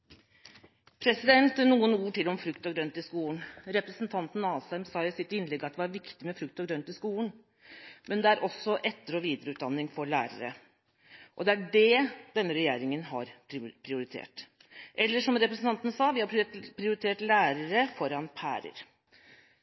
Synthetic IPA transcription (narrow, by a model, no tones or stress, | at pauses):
pʰɾɛsɪd̪ɛnt̪nuːənuːʈɪlɔmfɾʉkt̪ɔɡɾœnt̪ɪskuːlənɾɛpɾəsnt̪ʰɑnt̪n̩ɑːsæmsɑːjʊsɪt̪ɪnːlɛɡːɑt̪̚d̪ɛʋɑɾʋɪkt̪ɪmɛfɾʉk̚t̪ɔɡɾœnt̪ɪskuːln̩ | mʔɛnd̪ɛæɾʔɔsːɔʔɛt̪ːəɾɔʋiːd̪əɾəʉːt̪̚d̪ɑnːɪŋfɔɾɭæːɾə̰ɾə̰ | ʔɔd̪ɛæɖɛd̪̥ɛnːəɾɛjeːɾɪŋənɦɑ̰ɾpʰɾɪʊɾɪt̪ʰḛːʈ | ʔɛlːəʂɔmɾɛpɾəsn̩t̪ɑnt̪nsɑːʋɪhɑpʰɾɪʊɾɪt̪ʰeːʈlæːɾəɾəfɔɾɑnpʰæ̰ːɾə̰ɾ